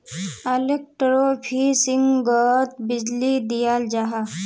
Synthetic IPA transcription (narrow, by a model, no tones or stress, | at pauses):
ɐlek̚ʈəɾoːpʰiːsɪŋɡɡɔt̪̚bɪd͡ʒlid̪ijaːld͡ʒaɦa